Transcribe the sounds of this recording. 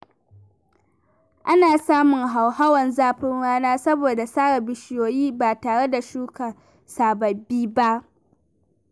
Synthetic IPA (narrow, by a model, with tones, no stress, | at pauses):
ʔa˦naː˨saː˦mʊ˨ŋɦa˨wha˦wɐ˨nzaː˦ɸɪ˦ŋɽaː˦naː˦sɐ˦boː˨da˨saː˦ɽɐ˨bɪ˨ʃɪ˦joː˨jiː˦ba˨taː˨ɽe˦da˨ʃuː˦ka˨ | saː˨bɐ˨biː˦ba˦ʔ